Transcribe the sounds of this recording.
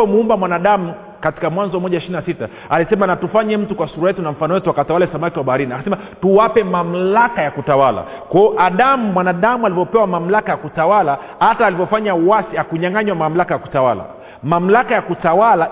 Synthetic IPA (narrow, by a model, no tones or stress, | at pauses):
ɛmuumbamwanaɗamu | kati̥kamwanzɔmɔʄaiʃininasita | alisɛmanatufaɲɛm̩tukwasuɾajɛtunam̩fanɔwɛtuakatawalɛsamakiwaɓaɾiniakasɛma | tuwapɛmam̩lakajakutawala̰ | kaɔʔaɗamumwanaɗamualivɔpɛwamam̩lakajakutawala | ataːlivɔfaɲauwasiakuɲaŋɡaɲwamam̩lakajaku̥tawa̰la̰ | mam̩lakajakutawala